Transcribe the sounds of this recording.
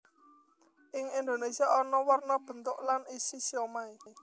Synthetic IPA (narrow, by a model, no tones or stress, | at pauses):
ʔɪŋind̪onesiaɔnɔwərnɔb̥ə̤nt̪ʊʔlanisisiɔmae